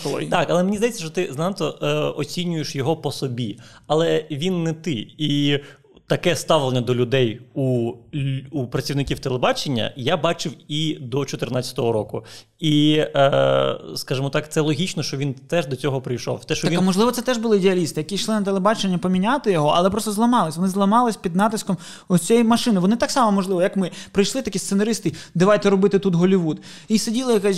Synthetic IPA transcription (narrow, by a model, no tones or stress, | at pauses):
t̪ɑkɐlˠɛmenʲizd̪ɐjet͡sʲːɐʃt͡ʃɔt̪ɪznɑnt̪ɔɔt͡sʲinʲʊjeʃjɔɦɔpɔsɔbʲiɐlˠɛʋʲinːɛt̪ɪi | t̪ɐkɛst̪ɑʋlˠenʲːɐd̪ɔlʲʊd̪ɛju | upɾɐt͡sʲiʋwnɪkʲiwt̪elˠebɑt͡ʃenʲːɐ̰jabɑt͡ʃɪwid̪ɔt͡ʃɔt̪ɪrnɑt͡sʲːɐ̥t̪ɔɦɔɾɔkʊ | i | skɑʒɪmɔt̪ɑkt̪sɛlˠɔɦʲit͡ʃnɔʃt͡ʃɔʋʲint̪ɛʒd̪ɔt͡sʲɔɦɔpɾɪjʃɔ̰wt̪ɛʃt͡ʃɔʋimɔʒlˠɪʋɔt̪sɛt̪ɛʒbʊlˠɪːd̪eɐlʲist̪ɪjɐkiʃlˠɪnɐt̪elˠebɑt͡ʃenʲːɐpɔmʲinʲat̪ɪjɔɦɔʔɐ̰lˠɛpɾɔst̪ɔzlˠɐmɑlˠɪsʲʋɔnɪzlˠɐmɑlˠɪsʲpʲid̪nɑt̪ɪskɔm | ɔt͡sʲɛjmɐʃɪnɪʋɔnɪt̪ɑksɑmɔmɔʒlˠɪʋɔjɐkmɪpɾɪjʃlˠɪt̪ɐkʲist̪senɐɾɪst̪ɪd̪ɪʋɑjt̪ɛɾɔbɪt̪ɪt̪ut̪ɦɔlʲiʋud̪ | isedʲilˠɐjɐkɛsʲ